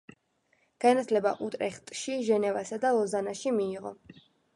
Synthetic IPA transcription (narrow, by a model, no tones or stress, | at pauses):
ɡ̥anat̪ʰlɛba̰ʔut̪ʼɾɛχt̪ʼʃiʒɛnɛvasad̪alˠɔzanaʃimiːʁɔ̰